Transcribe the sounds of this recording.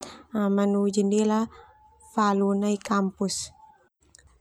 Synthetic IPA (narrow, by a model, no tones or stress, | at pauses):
amanud͡ʒindila | falunaikampus